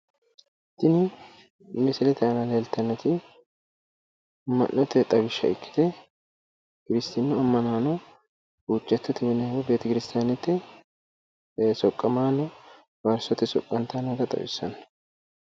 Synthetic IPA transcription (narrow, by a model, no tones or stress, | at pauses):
t̪ːɪnɪ | mɪsɪlɛt̪ɛɐnɐleːlt̪ːɐnːɔt̪ɪ | mːɐ̰nːɔt̪ːɛt̪ʼɐbɪʃːɐ̰ɪkːɪ̥t̪ɛ | kɪɾɪst̪ɪnːʊɐmːɐnaːnɔ | uːt͡ʃʼːɐt̪ːʊt̪ɪbɪnɐwɔbeːt̪ɐkɪɾɪst̪aːnɛt̪ːɛ | sɔkʼːɐmaːnɔ | bɐɾsɔt̪ːɪsɔkʼːɐnt̪anɐɡɐt̪ʼɐ̰bɪ̰sːɐn